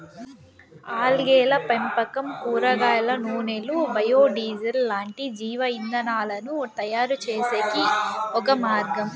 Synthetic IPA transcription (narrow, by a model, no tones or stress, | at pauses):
aːlɡɛːlɐpempɐkɐmkuːɾɐɡaːlɐnuːnelubɐjoːɖiːd͡ʒɐllaːɳʈid͡ʒiːʋɐind̪ɐnaːlɐnut̪ɐjaːɾut͡ʃeːseːkiɔkɐmaːɾɡɐm